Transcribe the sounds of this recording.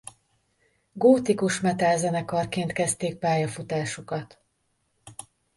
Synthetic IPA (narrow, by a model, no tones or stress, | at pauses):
ɡoːt̪ikuʃmɛt̪aːzɛnɛkɒrkeːnt̪kɛst̪eːk̚paːjɒfut̪aːʃukɒt̪